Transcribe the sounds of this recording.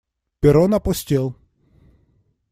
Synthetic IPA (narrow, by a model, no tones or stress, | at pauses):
pʲeɾɔnɐpɔsʲtʲɛlˠ